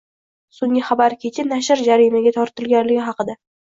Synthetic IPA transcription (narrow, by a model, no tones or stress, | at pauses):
sʊŋɡʲɪχɑbaɾkʲʰe̞t͡ʃʰɪnaʃɪɾd͡ʒaɾijmaɡʲat̪ʰɒɾt̪ʰɪlɡʲanlɪɡʲɪɦɑqɨd̪a